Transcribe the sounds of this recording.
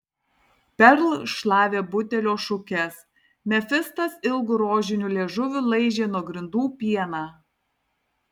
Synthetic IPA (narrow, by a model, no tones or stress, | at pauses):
pʲɛɾlˠʃlˠɑːʋʲeːbʊt̪ʲɛlʲoːʃʊkʲɛs | mʲɛfʲɪst̪ɐsɪlˠɡʊɾoːʒʲɪnʲʊlʲeːʒʊʋʲʊlˠɐɪʒʲeːnuɔɡɾʲɪnd̪uːpʲiɛnɑː